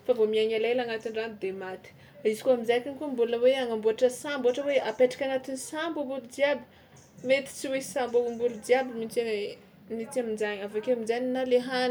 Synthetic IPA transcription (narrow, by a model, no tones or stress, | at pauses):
favomiaɲalalaŋat̪inranid̪emat̪i̥ | aizikuamizakinikumbuləweaŋambuaʈ͡ʂəsamboaʈ͡ʂəweapeʈ͡ʂḁkʲanat̪inisambumbulud̪iabi̥ | met̪i̥t͡siwesambabumbulud͡ʒiabimit͡ʃa | nit͡siaminzaɲavakeaminzaninaleɦan